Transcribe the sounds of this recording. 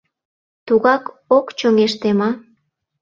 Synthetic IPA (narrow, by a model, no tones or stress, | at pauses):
t̪uɣɑk | okt͡ɕoŋeʃt̪emɑ